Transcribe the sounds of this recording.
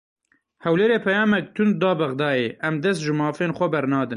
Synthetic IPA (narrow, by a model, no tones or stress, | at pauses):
hɛwleːɾeːpʰɛjɑːmɛk̚t̪ʰʊnd̪d̪ɑːbɛɣd̪ɑːjeːʔɛmd̪ɛst̪ʒɨmɑːfeːnxʷɛbɛɾnɑːd̪ɨn